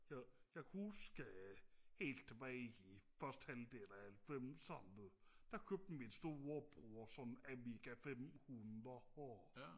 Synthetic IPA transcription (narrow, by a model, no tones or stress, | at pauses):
jɑjɑ̈ɪkʰhusɡ̥əhe̝̰ːld̥̚t͡sʰeb̥ɛːɪifɶɐsd̥hæld̥eːlæælfemsɒnð̩ˠd̥ækʰøb̥̚d̥̩minsd̥o̝ɐob̥ʁuɒsɒ̽næmiɡ̥æfemhunðˠɐhɔ